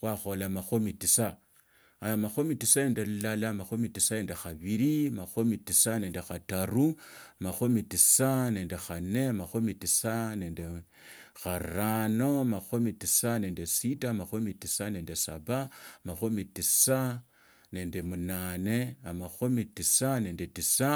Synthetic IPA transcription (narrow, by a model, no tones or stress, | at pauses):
xwaxolamaxomitisa | amaxomitisae̞ːndelulalamaxomitisane̞ːnde̞xaβiɾiamaxomitisane̞ːnde̞xataɾuamaxomitisane̞ːnde̞xane̞amaxomitisaneːnde | xaranomaxomitisane̞ndesitamaxomitisane̞ːndesa̰βamaxomitisa | ne̞ːnde̞munaːne̞amaxomitisane̞ndetisa